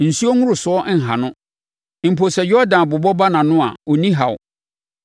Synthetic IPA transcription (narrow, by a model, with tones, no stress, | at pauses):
n̩˨su˦o˦ŋũ˦ɾʊ˨sʊ˨˦ɔ˦ŋ̩˨ɦã̰˨nʊ̃˦ | m̩˨pʰo˨sɛ˨jɔ˦dã˨n˨bʊ˨bɔ˦ba˦nã˨nʊ̃˦a̰˨ɔ˨nĩ˦ɦa˨w̰